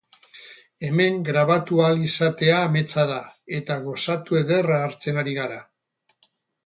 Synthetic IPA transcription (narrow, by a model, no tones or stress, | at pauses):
e̞me̞ŋɡɾaβ̞at̪ualisat̪e̞aːme̞t͡saðae̞t̪aɣ̞o̞sat̪ue̞ðe̞raːɾt͡se̞naɾiɣaɾa